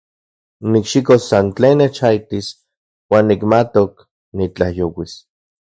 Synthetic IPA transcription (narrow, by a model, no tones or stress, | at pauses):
nikʃikosːant͡ɬeːnːet͡ʃait̪is | waːnːikmat̪ok | nit͡ɬahjowis